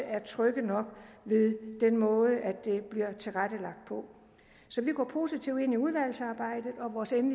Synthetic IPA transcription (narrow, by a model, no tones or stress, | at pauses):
æɐt͡sʰʁœɡ̥ənɒ̽ɡ̥ʋe̝ðˠd̥enmɔ̽ːð̞ˠəʔæd̥e̝b̥liɐ̰t͡sʰe̝lʁad̥əlɑ̈ɡ̥d̥̚pʰɒ̽ | sɒ̽ʋiɡ̥ɒ̰ːpʰo̝ːsit͡sʰiʊde̝n̰iuð̞ˠʋæl̰sɑ̈ːb̥ɑ̈ɪ̰d̥ð̩ˠɒ̽ʋɒːsenli